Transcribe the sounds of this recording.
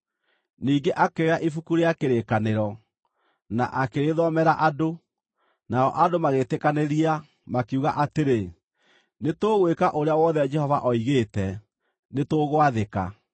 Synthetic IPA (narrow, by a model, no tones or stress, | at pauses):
niːŋɡeʔakeeɾaʔifukuɾeakeɾekaneɾɔ | na̰ʔakeɾeðɔmɛɾaʔado | naɔʔadomaɣetekaneɾia | makuɣa̰ʔateɾe | netoːɣwekaʔoɾeawɔðɛd͡ʒɛhɔvaʔɔiɣeːtɛ | netoːɣwaðeka̰